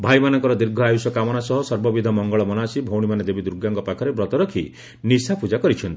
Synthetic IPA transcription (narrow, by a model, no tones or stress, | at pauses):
bʱajmanɔŋkɔɾɔd̪iɾɡʱɔajusɔkamɔɽ̃asɔɦɔsɔɾbɔbid̪ʱɔmɔŋɡɔɭɔmɔnasibʱowɽ̃imaned̪ebid̪uɾɡaŋɡɔpakʰɔɾebɾɔt̪ɔɾɔkʰi | nisapud͡ʒakɔɾit͡ʃʰɔnt̪i̥